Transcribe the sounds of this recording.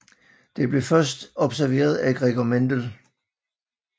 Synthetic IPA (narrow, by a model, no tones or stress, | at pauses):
d̥e̝b̥le̝fɶɐs̬d̥ɒ̽b̥sæɐʋe̝̰ːɐð̞̩ˠæɡ̥ʁɛɡ̥ɒmend̥əl